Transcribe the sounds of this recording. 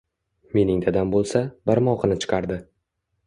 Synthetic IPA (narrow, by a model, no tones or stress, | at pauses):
me̞nɪŋd̪ad̪ambolˠsabaɾmɒqɨnɪt͡ʃʰɪ̥qʰɑɾd̪ɪ